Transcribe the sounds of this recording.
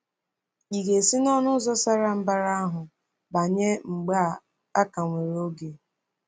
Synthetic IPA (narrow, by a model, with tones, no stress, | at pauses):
i˨ɡe˨si˦nɔ˦nʊ˦zɔ˦sa˦ɾa˨m̩˦ba˦ɾa˦a˦ɦʊ˨ | ba˨ɲe˦ŋ͡m̩˨ɡ͡ba˦˨ | a˦ka˨ŋʷe˨ɾo˦ɡe˨